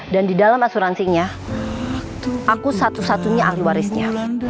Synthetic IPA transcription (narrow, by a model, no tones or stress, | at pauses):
dandidalamasuɾansiŋɲa | ʔakusat̪usat̪uɲaʔahliwaɾɪsɲa